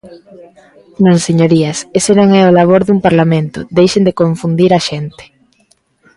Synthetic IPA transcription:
nõŋseɲoɾiɐsesenõŋɛolaβ̞oɾðumpaɾlamẽnt̪ʊd̪ejʃend̪ekoɱfund̪iɾaʃent̪ɪ̥

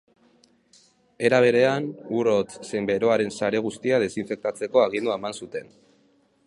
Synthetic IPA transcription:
e̞ɾaβ̞e̞ɾe̞anuɾot͡ssembe̞ɾo̞aɾe̞nsaɾe̞ɣ̞ust̪iaðe̞siɱfe̞k̚t̪at͡se̞ko̞aɣ̞ind̪uaemansut̪e̞n

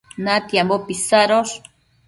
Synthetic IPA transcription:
nat̪jambopisaɾos

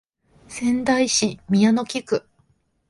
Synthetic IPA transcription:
sẽ̞nd̪aiɕimʲiano̞kʲikɯ̟

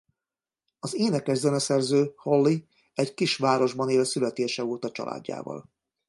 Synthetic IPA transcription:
ɒzeːnɛkːɛzːɛnɛsɛrzøːho̞lːi | ɛɟkiʃʋaːɾo̞ʒbɒneːlsylɛt̪eːʃɛoːt̪ɒt͡ʃɒ̰lʔa̰ːɟːa̰ːvɒ̰l

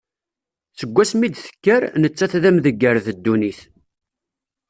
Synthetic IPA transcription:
θəɡʷːæsmid̪θə̥kːəɾnət͡sːæθðæmðəɡːəɾθəd̪ːuniθ

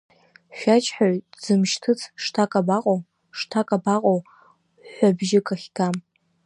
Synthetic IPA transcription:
ʃʷᶣat͡ʃʰʼħaɥd͡zɨmʃtʰɨt͡sʰʂtʰakʼabaqʼow | ʂtʰakʼabaqʼow | ħʷabʒɪkʼaχʲɡam

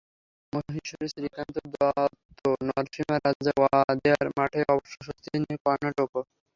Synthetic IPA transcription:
moɦiʃoɾisɾikant̪od̪oat̪ːonɔɾʃimaɾad͡ʑawad̪eaɾmaʈʰeʔɔboʃoʃost̪ʰiniokɔɾnaʈoko

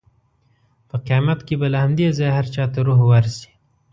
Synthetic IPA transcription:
pəqejɑmat̪kebalahamd̪ezɑjhaɾt͡ʃɑt̪aɾuɦwaɾsi̥

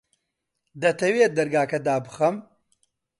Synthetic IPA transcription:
d̪ɐt̪ʰɐweːt̪̚d̪ɐɾɡaːkɐd̪aːbɨxɐm

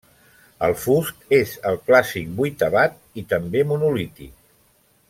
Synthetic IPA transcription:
ə̰lˠfust̪ezəlˠklasik̚bujt̪əβat̪̚ | it̪əmbemunulit̪ḭk

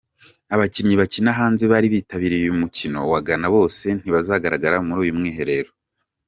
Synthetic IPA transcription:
aβacinɲiβacinaɦaːnzeβaɾiβiːtaβiɾijumucino̞̰waɡanaβo̞ːse̞n̥iβazaɡaɾaɡaɾamuɾuːjumŋiːɦe̞ɾe̞ɾo

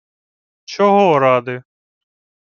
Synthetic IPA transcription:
t͡ʃʰoɦoːɾaːd̪e

